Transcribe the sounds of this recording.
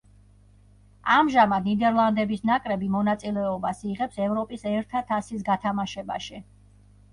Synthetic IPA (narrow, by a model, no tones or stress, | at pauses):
amʒamad̪nid̪ɛɾlˠand̪ɛbisnakʼɾɛbimɔnat̪sʼilɛɔbasiʁɛpsɛvɾɔpʼisɛɾt̪ʰat̪ʰasis̬ɡat̪ʰamaʃɛba̰ʃi